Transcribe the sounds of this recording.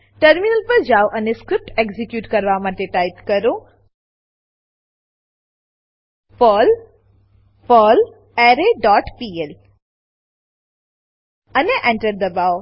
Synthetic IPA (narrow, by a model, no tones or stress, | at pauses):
ʈəɾminəlpɐɾd͡ʒawʔɐneskɾɪp̚ʈekzikjuːʈkɐɾʋamat̪eʈajpkɐɾũ | foːl | fəːl | ɛːɾeɖɔːʈpiːel | ɐneʔɛ̃ɳʈəɾd̪əbaw